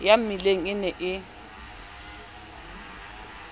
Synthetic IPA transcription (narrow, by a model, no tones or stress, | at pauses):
jamileŋ̩ɪnɛʔɪ